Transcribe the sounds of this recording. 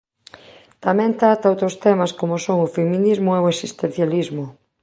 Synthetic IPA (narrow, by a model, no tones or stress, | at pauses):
t̪amɛ̃nt̪ɾat̪aowt̪ɾost̪ɛmɐskomosoŋʊfemĩnizmʊeoesist̪ẽn̟θjalizmʊ